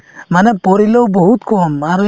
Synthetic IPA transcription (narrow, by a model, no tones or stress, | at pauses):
manɛpɔɾilɔwbɔɦut̪kʰɔmaɾɔ